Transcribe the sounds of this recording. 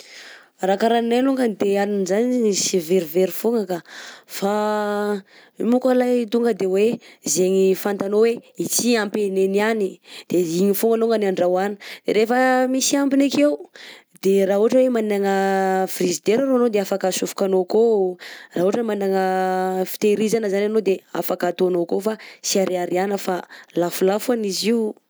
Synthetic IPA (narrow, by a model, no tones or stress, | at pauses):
rakaɾaninaluŋɡənd̪eaninizaniisiveɾiveɾifoŋakafa | imukalajt̪uŋɡəd̪ewezeɲifant̪anoweit͡siampenenianid̪̥eiɲifuŋɡəloŋɡənaɳɖ͡ʐawani̥d̪̥eɾefəmisiambinakeu | d̪̥eɾaːɦuɦaʈ͡ʂəwemaninaŋəfrizid̪eɾaɾoanod̪eafakasufu̥kanokoraɦuaʈ͡ʂmaninaŋəfi̥t̪eɾizanəzananod̪ea̰fakat̪oanokofasiaɾeaɾianəfalafulafaniziu